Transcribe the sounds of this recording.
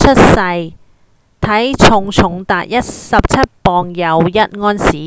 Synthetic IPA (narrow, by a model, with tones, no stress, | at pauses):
t͡ʃʰɵ˥t̚sɐ˧j | t̪ʰɐ˨˥jt͡sʰʊ˨ŋt͡sʰʊ˨˩ŋt̪aː˨t̚jɐ˥t̚sɐ˨p̚t͡sʰɐ˥t̚pɔː˨˧ŋjɐ˨˩wjɐ˥t̚ŋɔː˥nsiː˨˥